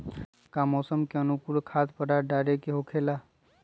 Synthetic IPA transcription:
kamɔsəmkeənukulkʰat̪pəɽaɖaɾekeɦokʰela

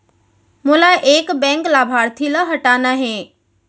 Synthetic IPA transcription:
mʊlaʔeːkbɛ̃ːŋklaːbʱaːɾt̪ʰiləɦɐʈaːnaɦẽː

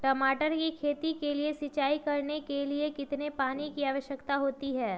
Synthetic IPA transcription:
ʈɔːmaːʈəɾkikʰeːt̪ikeliesɪt͡ʃaːikɐɾnekeliekɪt̪nepaːnikiaːʋəʃjəkt̪aɦoːt̪iɦɛː

